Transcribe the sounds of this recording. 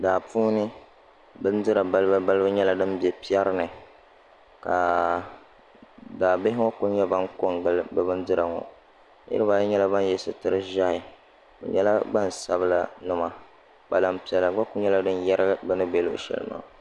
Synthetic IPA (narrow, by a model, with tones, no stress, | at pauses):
daː˨puː˦nɨ˦ | bɨ˦n̩˦dɨ˦ɾa˨ba˦lba˦ba˦lɨ˦bɨ˦ɲɛ˦la˨dɨ˦mbɛ˨pi˦ɛ˦ɾɨ˦nɨ˨ | ka˨ | daː˨bɪ˦ɦɪ˦ŋɔ˦ku˦ɲɛ˦ba˦ŋko˦n˦lbɨ˦bɨ˦ndɨ˦ɾa˨ŋɔ̰˨ | jɪ̰˦ɨ˦ba˨˦ɲɛ˦la˦ba˦n˦jɛ˦sɨ˨tɨ˨ɾɨ˦ʒa˦hɪ˨ | bɛ̰˨ɲɛ˦la˦ɡ͡ba˦n˨sa˨bɨ˦la˦nɨ˦ma˦ | k͡pa˨la˨mpi˦ɛ˦la˨ɡ͡ba˦kʊ˦ɲɛ˦la˦dɨ˦n˦jɛ˦ɾɨ˦bɛ˦nɨ˦be˦lo˦ʔʃɛ̰˨lɨ̰˦ma̰˦˨